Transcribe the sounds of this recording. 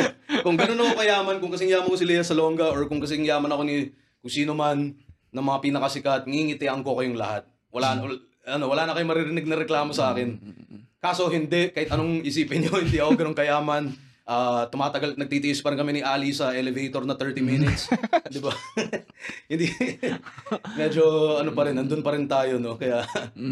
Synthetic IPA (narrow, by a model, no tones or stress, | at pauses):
kʊŋɡɐno̞nɐko̞kɐjaːmɐnkʊŋkɐsɛŋɪjaːmɐnkosɪlɛjɐsɐloŋɡɐʔo̞ɹkʊŋkɐsɛŋɪjaːmɐnɐko̞nɪ | kʊŋsiːnomanː | ɐŋmɐŋapiːnɐkɐsɪkat̪̚ŋiŋɪt̪ɛʔɐŋko̞kɐjoŋlɐ̰hat̪̚ | wɐlaːn | ɐno̞wɐlaːnɐkɐjoŋmɐɾɪɾɪnɪɡ̚nɐɾɛklaːmo̞sɐʔaːkɪnkaːsohɪnd̪ɛʔkɐhɪt̪ʔɐnoŋɪsiːpɪnɲohɪnd̪iːʔɐkoɡɐno̞ŋkɐjaːmɐn | ʔaːt̪ʊmaːt̪ɐɡalnɐɡ̚t̪iːt̪iʔɪspɐɾɪnkɐmɛnɪʔaːlisɐʔɛlɛvejt̪o̞ɾnɐt̪ɛɹt̪iminɪt̪sd̪ɪba | hɪnd̪i | mɛːd͡ʒo̞ɐnopɐɾɪnɐnd̪onpɐɾɪnt̪aːjo̞no̞kɐjaʔ